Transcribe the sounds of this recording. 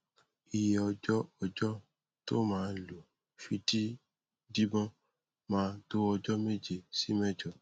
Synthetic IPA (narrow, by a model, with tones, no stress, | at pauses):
i˨jɛ˨ɔ˧d͡ʒɔ˦ɔ˧d͡ʒɔ˦ | to˦mãː˦˧lo˨ | fi˧ti˦ | di˦bɔ̃˦ | mãː˨˧to˦ɔ˧d͡ʒɔ˦me˦d͡ʒe˧˨si˦mɛ˦˨d͡ʒɔ˨